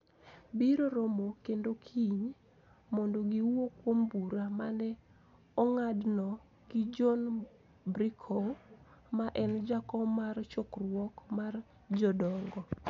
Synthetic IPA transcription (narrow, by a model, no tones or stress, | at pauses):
biɾoɾomokendokʰiɲ | mɔndoɡiwokwombuɾamanɛ | ɔŋadnɔ | ɡɪd͡ʒɔn | bɾikʰɔmaʔɛnd͡ʒakɔmart͡ʃɔkrwɔkmar | d͡ʒɔdɔŋɡɔ